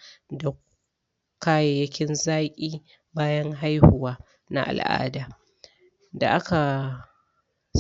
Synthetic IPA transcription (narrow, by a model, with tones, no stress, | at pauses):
da˨ | kaː˦jeː˨jɐ˦kʲɪ˦nzaː˦kʲʼiː˦ | baː˦jɐ˦ŋɦa˦jhʊ˨waː˦ | na̰˦ʔa̰˨lʔa̰ː˦daː˨ | da̰˨ʔa˦ka˨